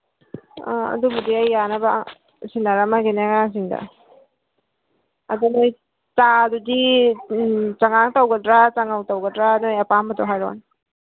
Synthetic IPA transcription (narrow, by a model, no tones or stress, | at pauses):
ɐ̰dubudiajːanaba̰ | sinaɾamaɡinaŋaŋs̬iŋda̰ | ɐdunoj | tadudi | t͡ʃaŋaŋtawɡadɾat͡ʃaŋawtawɡɐdɾanojɐpambatɔɦajɾɔ̰n